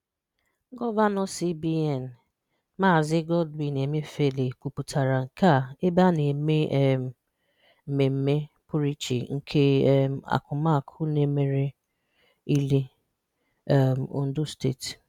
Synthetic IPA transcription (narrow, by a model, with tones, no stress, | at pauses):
ɡɔ˦va˦nɔ˦si˦bi˦ɛ˨n˨ | maː˦˨zɪ˦ɡɔ˦dbi˨ne˨me˦fe˦le˨kʷu˨pu˨tʰa˨ɾa˨ŋ̩˨ka˦˨e˦ba˦ne˨me˦ʔ | me˨m̩˦me˦ | pʊ˦ɾi˦t͡ʃḭ˨ŋ̩˦kʰe˦a̰˨kʊ˨ma˦˨kʰʊ˦ne˦me˨ɾe˦ | i˦le˦ | ʊ˦n̩˦dʊ˦stḛ˦˨t